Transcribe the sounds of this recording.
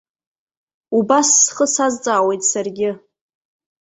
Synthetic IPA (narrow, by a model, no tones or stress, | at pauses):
ubasːχəsazt͡sʼaːwe̞jtʼsarɡʲɪ